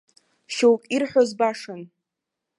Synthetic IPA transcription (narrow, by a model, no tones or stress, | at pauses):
ʃowkʲʼirħʷᶣozbaʂɨn